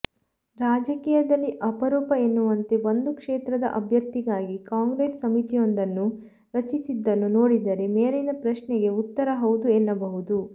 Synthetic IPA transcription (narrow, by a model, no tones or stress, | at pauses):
ɾaːd͡ʒɐkiːjɐd̪ɐlːiʔɐpɐɾɔːpɐenːuʋɐnt̪e̞ʋond̪ukʂeːt̪ɾɐd̪ɐ̰ʔɐbʱjɐɾt̪iɡaːɡikaːŋɡɾeːsːɐmit̪ijond̪ɐnːu | ɾɐt͡ʃisid̪ːɐnːuno̞ːɽid̪ɐɾemeːɾenɐpɾɐʃnɛɡe̞ut̪ːɐɾɐɦɐwd̪uenːɐbɐɦud̪u